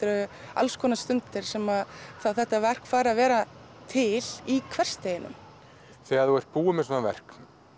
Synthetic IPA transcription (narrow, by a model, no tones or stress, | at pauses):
t̪ɾʏa̰lskʰɔːnast̪ʏnt̪ɪɾ̥sɛmaðθawθɛht̪ːavɛr̥kfaːɾavɛːɾa | t̪ʰɪlikʰvɛr̥st̪eːjɪnʏ̰m | θɛːɣaðθuɛɾ̥t̪̚puːʏmɛsɔnavɛ̰r̥k̪